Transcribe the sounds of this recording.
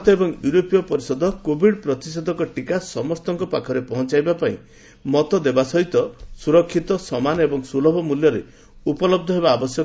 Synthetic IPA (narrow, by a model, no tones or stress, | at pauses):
t̪ɔebɔŋjuɾopijɔpɔɾisɔd̪ʱɔkobʱiɽpɾɔt̪isɔd̪ʱɔŋkɔʈikasɔmɔst̪ɔŋkɔpakʰɔɾepɔɦɔ̃t͡ʃajbapaĩ | mɔt̪ɔd̪ebasɔɦit̪ɔsuɾɔkʰːit̪ɔsɔmanɔebɔŋsulɔbʱɔmuljɔɾe | upɔlɔb̚d̪ʱɔɦebaːbɔsjɔ